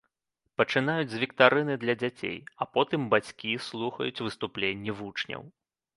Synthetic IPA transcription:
pɐt͡ʂɨn̪ajud͡zʲzvʲikt̪aɾɨnɨd̪lʲɐd͡zʲat͡sʲḛjɐpɔt̪ɨmbat͡sʲkʲislˠuxɐ̰jut͡sʲvɨst̪uplʲenʲːivut͡ʂnʲɐ̰w

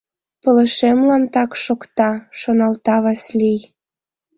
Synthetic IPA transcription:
pələ̆ʃemlɑnt̪ɑkʃokt̪ɑʃonɑlt̪ɑβɑslij

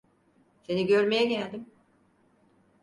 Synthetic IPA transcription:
se̞niɟøɾme̞jɛɟælʲd̪im

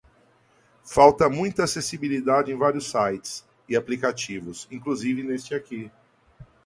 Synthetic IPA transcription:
fawt̪ɐmũj̃t̪ɐasesibilid̪ad͡ʒɪẽj̃vaɾiʊsːajt͡ʃɪ̥s | ɪaplikat͡ʃivʊsĩŋkluzivɪnest͡ʃɪaki

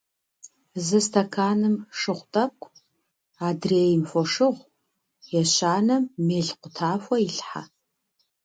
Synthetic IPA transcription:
zɨstʰɐkʰaːnɨmʂɨχʷtʼɐp̚kʷʰʼ | aːdreːjɪmfɔʂɨʁʷ | jɛɕaːnɐmːeːɬqʷʊtʰaːfʷɔiɬħa̰

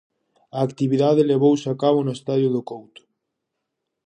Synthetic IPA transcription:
aːkt̪iβiðaðeleβowsɪakaβʊnʊest̪aðjʊðʊkowt̪ʊ̥

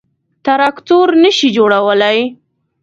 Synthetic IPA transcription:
t̪aɾɑkt̪oɾnəʃid͡ʒoɽawəlaj

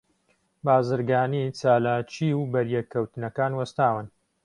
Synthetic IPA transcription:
baːzɨɾɡaːnit͡saːlaːt͡ʃʰiːwbɐɾjɛkʰːɐwt̪ɨnɐkaːnwɐst̪aːwɨn

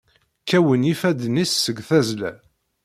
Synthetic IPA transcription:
kːæwənifæd̪nisːəɡθæzlæ̰

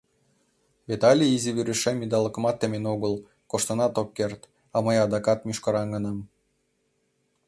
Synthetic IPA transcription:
vet̪ɑlʲiiziβyɾɘʃemid̪ɑləkmɑt̪ːemenoɣəlˠ | koʃt̪ɤ̆nɑt̪okːert̪ | ɑməjɑd̪ɑkɑt̪mʲyʃkɑɾɑnɡɤ̆nɑm

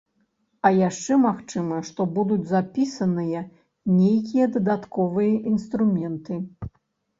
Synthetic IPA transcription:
ɐjaʂt͡ʂɛmaxt͡ʂɨmɐʂt̪ɔbud̪ud͡zʲzapʲisɐnɨjɐ | nʲejkʲijɐd̪ɐd̪at̪kɔvɨjɐʔinst̪ɾumʲɛnt̪ɨ

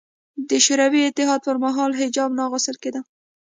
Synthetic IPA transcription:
d̪əʃʊɾawiɪt̪ɪɦɑd̪̚pəɾmaɦɑlɦɪd͡ʒɑbnɑɣʊst̪əlked̪al

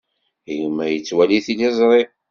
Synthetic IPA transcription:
jəmːæjət͡sːwæliθilɪzˤɾˤi

